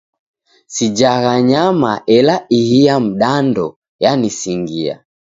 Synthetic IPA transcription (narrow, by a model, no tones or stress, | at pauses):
sid͡ʒaɣaɲamaʔɛlaihiam̩ɗandɔ | janisiŋɡia̰